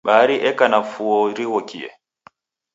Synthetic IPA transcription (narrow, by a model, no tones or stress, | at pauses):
ɓaːɾiʔɛkanafuoɾihokiʔɛ̰